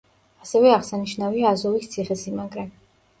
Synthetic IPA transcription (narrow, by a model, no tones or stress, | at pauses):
asɛvɛaʁsaniʃnaviaːzɔvist̪sʰiχɛsimaɡɾam